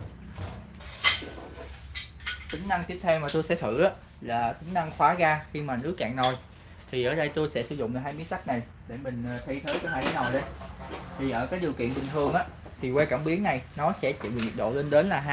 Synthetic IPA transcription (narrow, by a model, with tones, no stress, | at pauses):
t̪ï˨˦ŋ̟na˧ŋt̪i˦˥əp̚t̪ʰɛ˧wmaː˨˩t̪o˧jsɛ̰˧˥t̪ʰɨ̰˧˩ʔaː˨˦ | laː˨˩t̪ï˨˦ŋ̟na˧ŋxwaː˨˦ɣaː˧xi˧maː˨˩nɨ˨˦˥əka̰ː˧˨ŋzo˨˩j | t̪ʰi˨˩ʔəː˧˩ɗə˧jt̪o˧jsɛ̰˧˥sɨ˧˩zʊ̰˧˨ŋ͡mɦaː˧jmi˨˦ənsa˦˥k̚na˨˩j | ɗe˧˩mï˨˩ŋ̟ː˨˩t̪ʰə˧jt̪ʰəː˨˦jkɔː˨˦haː˧˩˨na˨˩jɗə˨˦jt̪ʰi˨˩ʔəː˧˩kaː˨˦jɗi˨˩əwkḭ˧˨ənɓï˨˩ŋ̟t̪ʰɨ˨˩əŋʔaː˨˦ | t̪ʰi˨˩wɛ˧ka˧˩mɓi˨˦əŋna˨˩jnɔ˨˦sɛ̰˧˥t͡ɕḭ˧˨mi˨˩ŋi˨˩k̚ɗo̰˧˨le˧nɗe˨˦nlaː˨˩ɦa˧